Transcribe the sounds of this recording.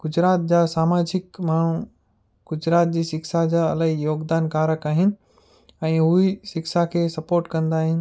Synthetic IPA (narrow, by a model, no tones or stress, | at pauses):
ɡ̥ʊd͡ʑɾaːt̪̚d͡ʑaːsaːmaːd͡ʑɪkmaːɳ̤u | ɡ̥ʊd͡ʑɾaːt̪̚d͡ʑiːsɪksad͡ʑaːɐlaijoːɡd̪aːnkaːɾəkaːɦɪnɪ̆ | ɛ̃ːʊɦiʃɪkʃakʰeːsɐpoːɾʈkɐ̃nd̪aːɦɪnɪ̆